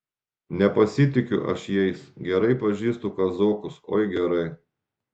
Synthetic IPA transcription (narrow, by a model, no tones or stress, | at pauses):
nʲɛpɐsʲɪt̪ʲɪkʲʊʔɐ̰ʃjɛɪsɡʲɛɾɐɪpɐʒʲiːst̪ʊkɐzoːkʊso̰ːjɡʲɛɾɐɪ